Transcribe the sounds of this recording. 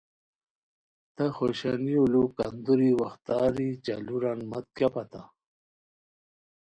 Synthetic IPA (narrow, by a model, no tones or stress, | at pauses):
t̪ɐxoɕaniolukand̪uɾiwaxt̪aːɾit͡ɕaluɾanmɐt̪̚kjapat̪a